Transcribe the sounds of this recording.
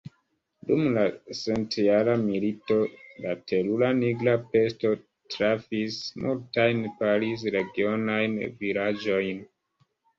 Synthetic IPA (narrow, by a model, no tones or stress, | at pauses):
dumlasentialamilito̞latʰelulaniɡlape̞sto̞ | tɾafismʔultajnpalis̬ɾe̞ɡio̞najnvilad͡ʒo̞jn